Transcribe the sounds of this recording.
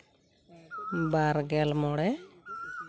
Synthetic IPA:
baɾɡɛlmɔɽɛ

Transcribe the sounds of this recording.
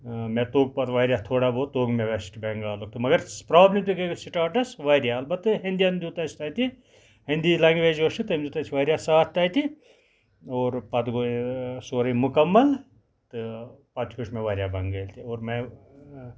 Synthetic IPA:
met̪oːɡ̚pɐt̪ʋɐːɾʲjaːt̪ʰoːɽaːbot̪oːɡmẽʋesʈbeŋɡaːlok̚t̪ɨmɐɡɐɾpɾaːblʲit̪ikeɡsiʈaːʈɐsʋaːɾjaɐlbɐt̪ːɨɦind̪ijand̪ʲuːt̪ɐt͡ʃʰt̪ɐːt̪i | hind̪ilɐŋɡʋed͡ʒoʃit̪ɨmd͡ʒut̪ɐt͡ʃʰiʋaːɾjasaːt̪ʰt̪ɐjt̪i | oːɾpɐt̪ɡosoːɾɐjmʊkɐmːɐl | t̪ɨpɐt̪ʰkoʃmẽʋaɾʲjaːbɐŋɡɐːlt̪ioːɾme

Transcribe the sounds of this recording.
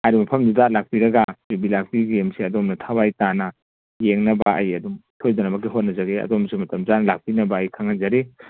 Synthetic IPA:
hajɾimɐpʰɐmdudalak̚piɾɐɡapɾibilak̚piɡemsiɐdomnɐtʰabajtanɐ | jeŋnɐbaɐjɐduŋtʰojdɔnɐbɐk̬iɦot̚nɐzaɡeɐ̰domsimɐtɐmzanɐlak̚pinɐbaːjkʰaŋanzaɾi

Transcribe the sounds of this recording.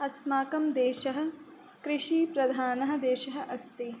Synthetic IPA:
ɐsmaːkɐmd̪eːʃɐɦɐ̆ | kɾɪʃiːpɾɐd̪ʱaːnɐɦɐ̆d̪eːʃɐɦɐ̆ʔɐst̪i

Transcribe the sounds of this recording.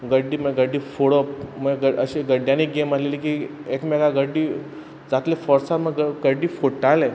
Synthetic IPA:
ɡəɖːiːməɡəɖːiːfoɽəpməɡəəɕiɡəɖjaniːɡemaleliːkiekmɛɡaɡəɖːiː | d͡zat̪lefɔɾsat̪məɡəɡəɖiːfoʈale

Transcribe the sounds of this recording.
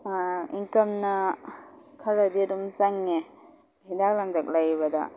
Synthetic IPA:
iŋkɐmnɐ | kʰɐɾɐdiɐdumzaŋːe | idak̚laŋdɐk̚lajβɐdɐ̰

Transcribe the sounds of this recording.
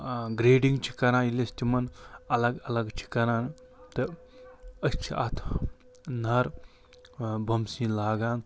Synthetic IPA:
ɡɾeːɖiŋɡt͡ʃʰi̥kɐɾãːilest̪imɐnɐlɐɡɐlɐɡt͡ʃʰi̥kɐɾaːn | t̪ɨ | ɐt͡ʃʰiʔɐ̰t̪ʰ | nɐɾ | bʱɐmsĩːnlaːɡaːn

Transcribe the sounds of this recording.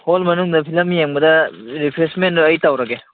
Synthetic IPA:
holmɐnuŋdɐpʰilɐmjeŋbɐdɐɾipʰɾesmenduɐjtawɾɐɡe

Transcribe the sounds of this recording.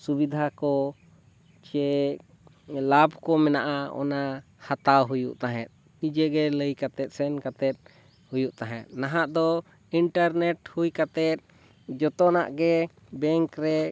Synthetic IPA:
subid̪ʱakɔ | t͡ʃɛ | labʱkɔmɛnaʔaɔ̰na | hat̪awɦujṵʔt̪aɦɛ̰̃t̪̚ˀ | nid͡ʒɛɡɛləjkat̪ɛt̪̚sɛnkat̪ɛt̪̚ | hujuʔt̪aɦɛ̰̃t̪̚naɦaʔd̪ɔ | iɳʈaɾnɛʈhujkat̪ɛt̪̚ | d͡ʒɔt̪ɔna̰ʔɡɛ | bɛŋkɾɛ

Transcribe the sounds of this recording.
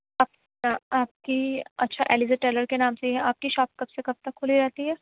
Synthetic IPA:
aːp̚ | aaːp̚kiɐ̰tːʃʰaʔɛ̰ːlizeʈɛːləɾkenaːmsejɦɛ̃aːp̚kiʃɔːp̚kɐbsekɐb̚t̪ɐkʰːʊliɾɛɦt̪iɦɛː

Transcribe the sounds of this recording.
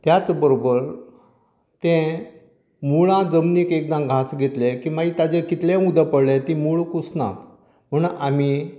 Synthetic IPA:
t̪jat͡sbəɾobəɾ | t̪ẽ | muɭãd͡zəmniːkek̚d̪ãɡʱasɡʱet̪lekĩʋait̪ad͡zẽkit̪lẽud̪əpəɽlet̪imuɭkusnã̰t̪ | m̤əɳami

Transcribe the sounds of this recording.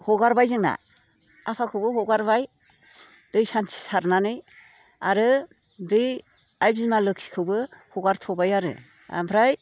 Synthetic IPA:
hɔɡaɾbajzɯŋna̰ | apʰakʰɯwbɯhɔɡaɾbaj | d̥ɯjsantʰi̥saɾnanɯj | aɾɯ | dɯj | ajzimalɯksi̥kʰɯbɯhɔɡaɾtʰɔbajaɾɯ̰ | a̰mpʰɾaj

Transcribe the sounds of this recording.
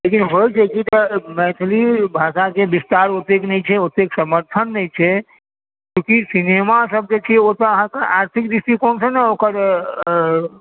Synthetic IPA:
lekinɦojt͡ʃʰɛkit̪ɔmɛt̪ʰlibʱaʃakebist̪aɾot̪eknɛjt͡ʃʰɛot̪eksəməɾt̪ʰənːəjt͡ʃʰɛ | kjũkisinemasəb̚d͡ʒet͡ʃʰɛot̪əəɦãkeʔaɾt̪ʰikd̪ist̪ikonsənɛokəɾ

